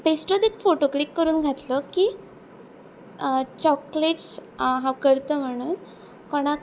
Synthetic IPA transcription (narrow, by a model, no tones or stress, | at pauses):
besʈɾod̪ikfoʈoklikːəɾuːnɡʱat̪ləkiː | t͡ɕɔkleʈsɦãwkəɾt̪əːm̤əɽ̃uːn | koɽ̃a